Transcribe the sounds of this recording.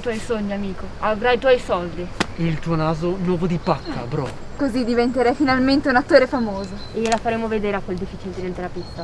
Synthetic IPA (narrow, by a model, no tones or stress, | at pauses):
t̪wɔjsoɲːiamiːkoavɾajt̪wɔjsɔld̪iilt̪uːonaːzonwɔːvod̪ipakːa̰bɾɔ̰ | kozid̪ivent̪eɾɛjfinalment̪eunat̪ːoːɾefamoːzo | ejlafaɾeːmoved̪eːɾeakːweld̪ifːit͡ʃiled̪ilent̪eɾlapist̪ːa